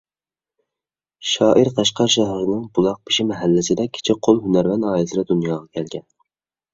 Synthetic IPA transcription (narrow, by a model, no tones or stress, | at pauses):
ʃɑːʔiɾqʰɑʃqɑɾʃɛɦɪɾɪnɪŋbulˠɑq̚piʃimɛɦælːɪsɪd̪ɛkʲʰɪ̥t͡ʃʰiqʰolˠɦynæɾmɛnɑːjsɨɾɑd̪unjɑːʁɑkʲʰɛlɡʲɛn